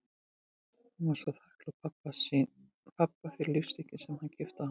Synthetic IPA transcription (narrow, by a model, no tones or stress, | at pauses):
hanvaɾ̥saθahklapʰapːa | pʰapːafɪɾɪljʏst̪ɪcɪsɛmhancʰɪft̪aha